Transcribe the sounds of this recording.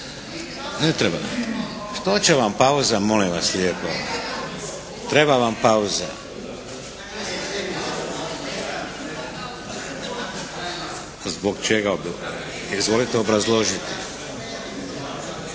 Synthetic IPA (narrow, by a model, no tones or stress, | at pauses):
net̪ɾeba̰ | ʃt̪ot͡ʃeʋampauzamo̞limʋaslʲjeːpo | t̪ɾe̞baʋampauza̰ | zbokt͡ʃeɡa | izʋo̞lit̪eo̞bɾazlˠo̞ʒit̪i